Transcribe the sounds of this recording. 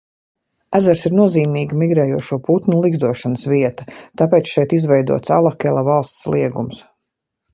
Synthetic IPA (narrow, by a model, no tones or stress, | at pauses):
æzæɾsiɾnuɔziːmiːɡəmiɡɾɛːjuɔʃuɔput̪nulˠiɡzd̪uɔʃanəsviɛt̪ɐt̪apɛːt̪sʃɛjt̪izvɛjd̪ṵɔt̪sa̰lˠakʲɛlˠavɑlˠst̪slˠiɛɡums